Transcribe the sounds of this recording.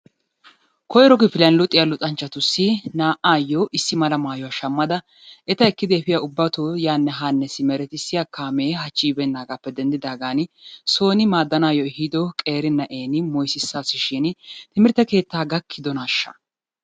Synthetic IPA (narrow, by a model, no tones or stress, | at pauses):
kɔjɾɔɡɪfɪlɐnlʊt̪ʼːɪjɐlʊt̪ʼɐnt͡ʃːɐt̪ʊsːɪnaːʔaːjoʔɪsːɪmɐlɐmaːjɔwɐʃɐmːɐd̪ɐ | ʔɛt̪ɐɛkːɪd̪ɛːfɪjɐʊbːɐt̪ojaːnːɛɦaːnːɛsɪmɛɾɛt̪ɪsːɪjakaːmeːɦɐt͡ʃːiːbɛnːaːɡaːpːɛd̪ɛnd̪ɪd̪aːɡaːnɪso̞ːnɪmaːd̪ːɐnaːjɔɛhid̪ɔkʼe̞ːɾɪnɐʔeːnɪmɔjsɪsːaːsɪʃɪnt̪ɪmɪɾt̪ːɐke̞ːt̪ːaːɡɐkʰːɪd̪ɔnaːʃːɐ̰